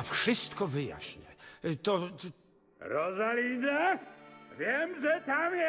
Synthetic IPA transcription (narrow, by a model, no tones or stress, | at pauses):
fʂɪst̪̚kɔvɪja̰ɕɲɛ̰t̪ɔ | ɾɔzaliːza | vjɛmʒɛt̪amjɛ